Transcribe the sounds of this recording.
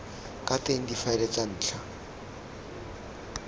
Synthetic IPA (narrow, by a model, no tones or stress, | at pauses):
kʼateŋ̩difaɪlet͡san̩ːt͡ɬʰa